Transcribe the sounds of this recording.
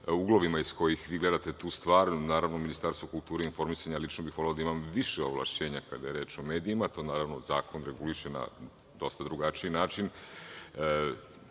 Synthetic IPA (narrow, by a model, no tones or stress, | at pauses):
uɡlˠoʋimaisko̞jixʋiːɡle̞d̪at̪e̞t̪uːst̪ʋaːɾnaːɾaʋnominist̪aɾst̪ʋukult̪uːɾeinfo̞ɾmisaɲalit͡ʃnobixʋo̞leod̪aimamʋiʃeoʋlˠa̰ʃt͡ɕe̞ːɲakad̪ajeɾe̞ːt͡ʃo̞me̞ːd̪iimat̪o̞ːnaːɾaʋno̞zaːko̞nɾeɡuliʃena̰ | d̪o̞st̪ad̪ɾuɡat͡ʃiinaːt͡ʃin